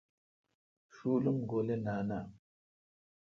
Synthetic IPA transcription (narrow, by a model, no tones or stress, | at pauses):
ʃulumɡolenana